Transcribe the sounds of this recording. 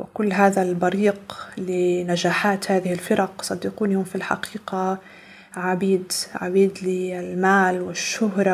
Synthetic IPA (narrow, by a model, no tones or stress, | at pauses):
wɪ̰kʊlːɦaːðalbɑɾiːqlɪnad͡ʒaːħaːt̪haːðɪhɪlfɪɾˤɑqsˤɑd̪ːɪquːnʊmfilħa̰qiːqa | ʕabiːd̪ʕa̰biːd̪lɪlmaːlwɪʃːʊɦɾˤɑ